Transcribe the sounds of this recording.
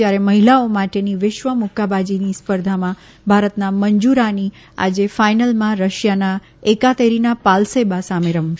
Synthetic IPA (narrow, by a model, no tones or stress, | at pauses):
jaɾeməɦilaomaʈeniʋɪʃʋəmʊkabad͡ʒinispəɾd̪ʱamã | bʱaɾət̪naməɲd͡ʒuɾani | a̰d͡ʒefajnəlmãɾəʃjana | ekat̪eɾinapalsebasameɾəm